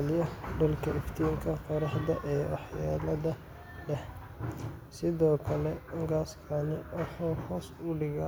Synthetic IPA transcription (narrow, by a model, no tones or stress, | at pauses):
ljɐɖʊlkʰɐʔɪft̪ʰiːŋkʰɐqɔɾɑħd̪ɐʔɛːwɑ̰ħjaːlɐðɐ | lɛh | sɪðɔːkʰɐlɛʊŋɡaːskʰɐnɪwɑħuːhɔːsʊlɪɣa